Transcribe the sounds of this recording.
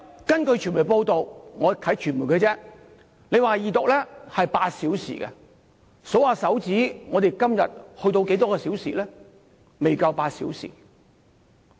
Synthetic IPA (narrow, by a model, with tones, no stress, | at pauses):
kɐ˥nkɵ˧jt͡ʃʰyː˨˩nmu˨˩po˧wt̪o˨wŋɔː˨˧k̪ʰɐ˨˥jt͡ʃʰyː˨˩nmu˨˩jkʰɵ˧t͡sɛː˥ | ne˨˧jwaː˨˩jiː˨˩t̪ʊ˨k̚lɛː˥hɐ˨jpaː˧t̚siː˨˥wsḭː˨˩kɛ̰˧ | so˨˥waː˨˩sɐ˨˥wt͡siː˨˥ŋɔː˨˧t̪e˨˩jkɐ˥mjɐ̰˨t̚hɵ˧t̪o˧wke˨˥jt̪ɔː˥kɛː˧si˨˥wsḭː˨lɛː˥ | me˨jkɐ˧wpaː˧tsḭ˨˥wsḭ˨˩